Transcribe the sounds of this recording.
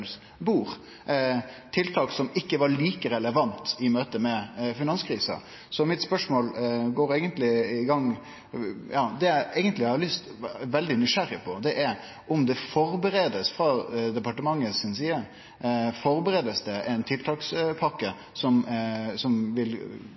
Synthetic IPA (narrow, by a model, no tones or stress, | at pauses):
s | buːɾ | t̪ʰɪlt̪ʰɑːksɔmɪkːəʋɑɾɭiːkəɾɛləʋɑnt̪ɪmøːt̪əmɛfɪnɑnskʰɾiːsə̰ | sɔmɪt̪spœʂmoːlɡoːɾeɡənt̪lɪɪɡɑŋː | jɑːd̪ɛææɪɡənt̪lɪɑhɑlʏst̪ʋɛld̪ɪnɪʂæɾɪpʰɔd̪ɛʔæɾ | ɔmd̪ɛfɔɾbəɾeːd̪əsfɾɑd̪ɛpɑʈəmɑŋːəsɪnsiːə | fɔɾbəɾeːd̪əsd̪ɛʔɛnt̪ʰɪlt̪ʰɑːkspʰɑkːə | sɔmsɔmʋɪl